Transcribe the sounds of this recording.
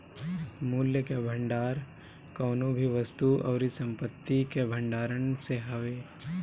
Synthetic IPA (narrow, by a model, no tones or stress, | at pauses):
muːljəkebʱə̃ɳɖaːɾ | kɔːnõbʱiʋəst̪uʔɔːɾisɐ̃mpət̪ːikebʱə̃ɳɖaːɾənseɦɐʋeː